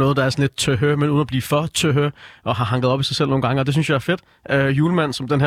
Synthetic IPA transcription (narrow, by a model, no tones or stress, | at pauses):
nɔːð̞̩ˠd̥ɑ̈æɐsɒn̩le̝d̥̚t͡sʰøɦømenuːð̩ˠnɒb̥liːfɒ̽t͡sʰøɦøʔɒ̽ɦɑ̈ɦɑ̈ŋɡ̥ð̞̩ˠɒ̽b̥isɑ̈sel̰no̝ːn̩ɡ̥ɑ̈ŋəɒ̽d̥eynsjɑ̈æɐfe̝d̥ | øjuːləmæn̰sɒ̽md̥enɦæ